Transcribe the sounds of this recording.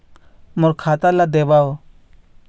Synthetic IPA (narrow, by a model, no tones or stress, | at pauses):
mʊɾkʰat̪alad̪ebao